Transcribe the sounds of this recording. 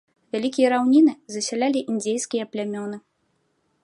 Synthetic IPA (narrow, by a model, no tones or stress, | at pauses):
vʲalʲikʲijɐɾawnʲinɨzɐsʲalʲalʲiʔind͡zʲejskʲijɐplʲamʲɔnɨ